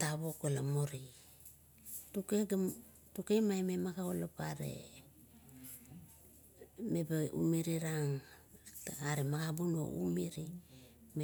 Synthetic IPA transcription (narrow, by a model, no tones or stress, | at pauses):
taβokolamoɾi | tukeɡ | tukemajmemakaolapaɾḛ | mebeṵmiɾiɾaŋtaaɾemaɡabuno̰ṵmiɾime